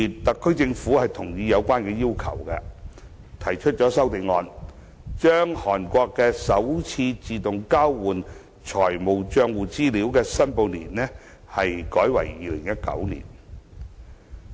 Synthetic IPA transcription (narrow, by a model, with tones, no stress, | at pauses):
i˨t̪ɐ˨kʰːɵ˥ɥt͡sɪ˧ŋfuː˨˥hɐ˨jt̪ʰʊ˨˩ŋjiː˨˧jɐ˨˧wkʷaː˥nkɛː˧jiː˥wkʰɐ̰˨˩wkɛ̰˧ | t̪ʰɐ˨˩jt͡ʃʰɵ˥t̚t͡ʃɔː˨˥sɐ˥wt̪e˨˧jŋɔː˨˧n | t͡ʃœː˥ŋhɔː˨˩nkʷɔː˧kːɛː˧sɐ˨˥wt͡sʰiː˧t͡siː˨t̪ʊ˨ŋkaː˥wːuː˨˩n | t͡ʃʰɔː˨˩jmo˨wt͡ʃœː˧ŋwuː˨t͡siː˥liː˨˥wkɛː˧sɐ˥npo˨˧wniː˨˩nːɛː˥ | hɐ˨jkɔː˨˥jwɐ̰˨˩jːiː˨˧lɪ˨˩ŋjɐ˥t̚kɐ̰˨˥wnḭː˨˩n